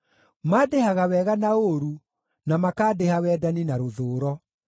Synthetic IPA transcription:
maːdehaɣawɛːɣanaoɾu | namakaːdehawɛdaninaɾoðoːɾɔ

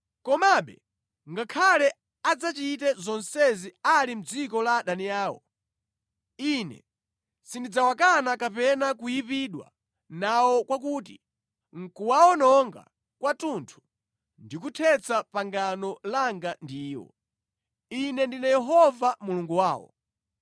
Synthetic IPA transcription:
kɔmaɓɛ | ŋɡakʰalɛ | ad͡zat͡ʃitɛzɔnsɛzialim̩d͡zikɔlaɗaniaːwɔ̰ | inɛ̰ | sindid͡zawakanakapɛnak̬ujipiɗwa̰ | nawɔkwak̬uti | ŋ̩kuwaɔnɔŋɡa̰ | kwatuntʰu̥ | ndikutʰɛt͡sapaŋɡanɔlaŋɡandiːwɔ̰ | inɛndinɛjɛɦɔvamuluŋɡuwaːwɔ̰

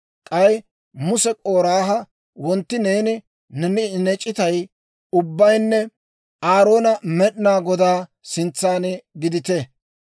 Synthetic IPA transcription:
kʼɐj | mʊsɛkʼo̞ːɾaːɦɐ | wɔnt̪ːɪne̞ːnɪ | nɛnɪnɛt͡ʃʼːɪt̪ɐj | ʊbːɐjnːɛ | aːɾo̞ːnɐmɛɗɪnaːɡɔd̪aː | sɪnt͡sːaːnɪɡɪd̪ɪt̪ɛ

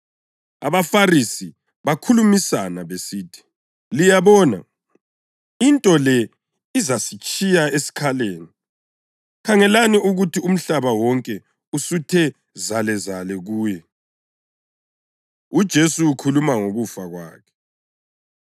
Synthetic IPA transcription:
a̰βafarisi | βakʰulumisanaβesiːtʰi̥ | lijaβɔna̰ | intʼɔlɛ | izasit͡ʃʼijaesi̥kʰaleːni | kʰaŋɛlaniuɣutʰium̩ɬaβawɔŋkʼɛ | usutʰɛ | zalɛzalɛɣuːjɛ | ud̥ʒ̥ʱesuːkʰulumaŋoɣufaɣwa̰ːkʰɛ̥

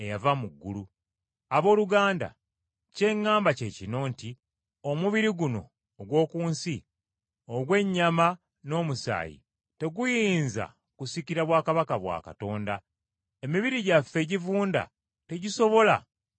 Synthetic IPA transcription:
e̞javamuɡːulu | aβo̞ːluɡaːnda̰ | ce̞ŋːaːmbace̞ːcino̞ːnti | o̞muβiɾiɡuno̞̰ː | ɡwo̞ːkuːnsi | oɡwe̞ɲːama | no̞ːmusa̰ːjḭ | te̞ɡujiːnza̰ | kusiciɾaβwaːkaβakaβwa̰ːka̰to̞ːnda | emiβiɾiɟafːe̞ɟivuːnda̰ | te̞ɟiso̞βo̞la̰

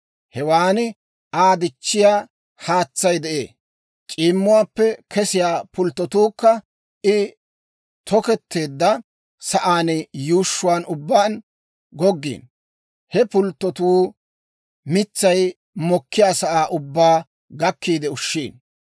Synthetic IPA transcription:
hɛwaːnɪ | aːd̪ɪt͡ʃːɪjaː | haːt͡sːɐjd̪ɛʔḛː | t͡ʃʼiːmːʊwaːpːɛkʰɛsɪjaːpʊlt̪ːɔt̪uːkːɐ | ɪ | t̪ʰɔkɛt̪ʰːe̞ːd̪ːɐ | sɐʔaːnɪjuːʃːʊwaːnʊbːaːn | ɡɔɡːḭːn | hɛpʊlt̪ːɔt̪uː | mɪt͡sːɐj | mɔkːɪjaːsɐʔaːʔʊbːaː | ɡɐkːiːd̪ɛʊʃːiːn

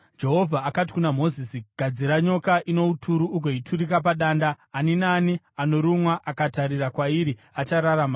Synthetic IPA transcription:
d͡ʒe̞ɦo̞vʱaːkati̥kunamo̞zisiɡʱad͡ziɾaɲo̞kaʔino̞utʰuɾuːɡʱoitʰuɾikap̬aɗaːndaːninani | ano̞ɾumwaʔakataɾirakwaiɾi | at͡ʃaɾaɾama

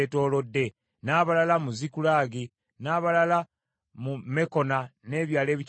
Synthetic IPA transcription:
to̞ːlo̞dːe̞ | naːβalalamuzikulaːɡi | naːβalala | mume̞ko̞nane̞βjaːle̞ːβic

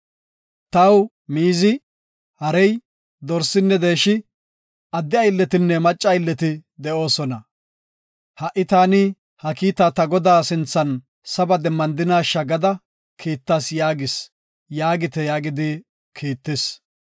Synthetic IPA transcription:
t̪ɐw | miːzɪ | hɐɾɛj | d̪ɔɾsɪnːɛd̪e̞ːʃɪ | ʔɐd̪ːɪɐjlːɛt̪ɪnːɛmɐt͡ʃʼːɐjlːɛt̪ɪd̪ɛʔo̞ːsɔnɐ | hɐʔɪt̪aːnɪ | hɐkiːt̪aːt̪ɐɡɔd̪aːsɪnt͡sːɐn | sɐbɐd̪ɛmːɐnd̪ɪnaːʃɐɡɐd̪ɐ | kʰiːt̪ːasjaːɡɪs | jaːɡɪt̪ɛjaːɡɪd̪ɪ | kʰiːt̪ːɪs

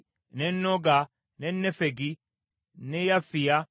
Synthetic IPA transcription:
nɛnːoɡa | nɛnːɛfɛɡi | nɛjafɪja

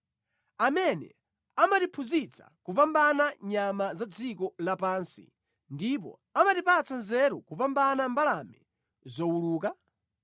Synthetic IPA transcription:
amɛnɛ̰ | amatipʰuzit͡sḁ̰kupambanaɲamazad͡zikɔlapaːnsḭ | ndip̬ɔ̰ | amatipat͡sanzɛɾukupambanambalamɛ | zɔwuluːka

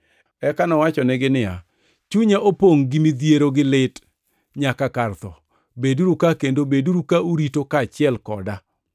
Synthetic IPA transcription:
ɛkanɔwat͡ʃɔnɛɡɪnɪja̰ | t͡ʃuɲaʔopoŋɡɪmid̪jeɾoɡɪlɪt | ɲakakart̪ɔ | beduɾukakendobeduɾukauɾitokat͡ʃɪɛlkɔda

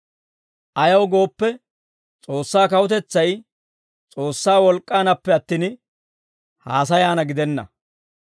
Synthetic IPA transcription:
ʔɐjɐwɡo̞ːpːɛ | t͡sʼo̞ːsːaːkɐwʊt̪ɛt͡sːɐj | t͡sʼo̞ːsːaːwɔlkʼːaːnɐpːɛɐt̪ːiːn | haːs̬ɐjaːnɐɡɪd̪ɛnːɐ̰

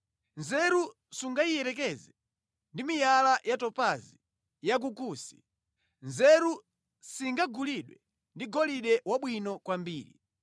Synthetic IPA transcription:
nzɛɾu | suŋɡaijɛɾɛkɛzɛ | ndimijalajatɔpazi | jak̬ukusi̥ | nzɛɾu | siŋɡaɡuliɗwɛ | ndiɡɔliɗɛwaɓwinɔkwambiːɾḭ

